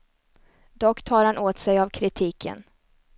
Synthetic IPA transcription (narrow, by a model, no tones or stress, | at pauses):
d̪ɔkːt̪ʰɑːɾhanʔoːt̪sɛjavkʰɾɪt̪ʰiːkʰə̰n